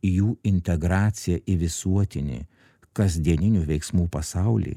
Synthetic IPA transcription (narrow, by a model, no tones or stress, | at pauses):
juːɪnʲt̪ʲɛɡɾɑːt̪sʲɪjɛʔɪʋʲɪsuɔt̪ʲɪnʲḛ | kɐzʲd̪ʲiɛnʲɪnʲuːʋʲɛɪksmuːpɐsɑʊlʲḭː